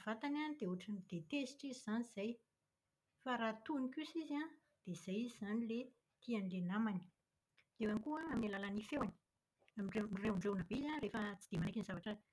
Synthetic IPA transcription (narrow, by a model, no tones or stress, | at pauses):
v̥at̪ananid̪euʈ͡ʂanid̪̥et̪esi̥ʈ͡ʂizizaniz̥aj | faɾat̪unikusizia | d̪̥ez̥ajiziz̥anile | t̪ʰianilenamani̥ | d̪̥ewanikuəːmalalanifewani̥ | amiɳɖ͡ʐemrewuɳɖ͡ʐewnabeizarefət͡si̥d̪emanakinizavaʈ͡ʂə